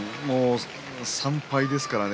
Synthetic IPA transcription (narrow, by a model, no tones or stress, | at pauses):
moː | sãmpaid̪e̞sɨ̥kaɾan